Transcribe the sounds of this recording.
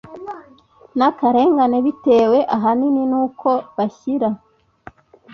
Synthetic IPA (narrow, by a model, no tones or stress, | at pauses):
nakaɾe̞ːŋɡaneβite̞ːwe̞ʔaɦanininuːkʰo̞βaçiɾa